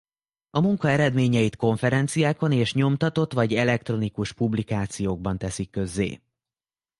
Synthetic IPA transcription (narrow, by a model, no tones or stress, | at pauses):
ɒmuŋkɒɛɾɛd̪meːɲɛjit̪ko̞ɱfɛɾɛnt̪sijaːko̞neːʃɲo̞mt̪ɒt̪o̞t̪ːʋɒɟɛlɛk̚t̪ɾo̞nikuʃpublikaːt̪sijoːɡ̚bɒnt̪ɛsikːø̞zːḛː